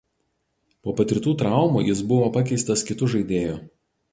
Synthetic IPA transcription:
poːpɐt̪ʲɾʲɪt̪uːt̪ɾɑˑʊmuːjɪsbʊʋoːpɐkʲɛɪst̪ɐskʲɪt̪ʊʒɐɪd̪ʲeːjo

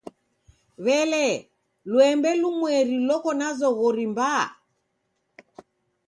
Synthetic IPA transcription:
βɛlɛ | lwɛmbɛlumwɛɾilɔkɔnazɔɣɔɾimba

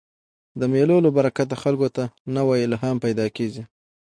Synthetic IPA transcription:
d̪əmelolobaɾakat̪axalkot̪anawɑjilaɦampajd̪ɑkeɡi

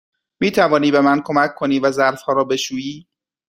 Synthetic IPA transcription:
miːt̪ʰævɒːniːbe̞mænkʰo̞mækʰːo̞niːvæzæɾfhɒːɾɒːbe̞ʃuːjiː

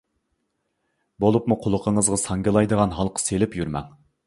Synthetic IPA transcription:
bolˠupmuqʰʊlˠʊqʰəɴəzʁɑsɑŋɡɨlˠɑjd̪əʁɑnɦɑlˠqʰə̥selɪpjyɾmɛ̰ŋ

